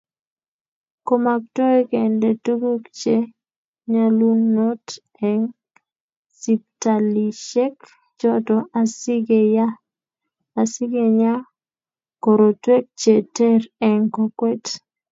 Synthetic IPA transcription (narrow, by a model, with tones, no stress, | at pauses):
ko˦ma˨k̚to˦e˦kɛ˨ndɛ˨tu˦ɡo˦kt͡ʃe˦ | ɲa˦lu˦no˦t | ɛŋ | si˨p̚ta˨li˨ʃɛ˦k | t͡ʃɔ˦tɔ˨ʔasi˦ɡeja˦ | a˨si˦ɡe˨ɲa˦ | ko˨ɾo˨twe˦k̚t͡ʃe˨tɛ˦ɾɛ˨ŋko˨kwɛ˦t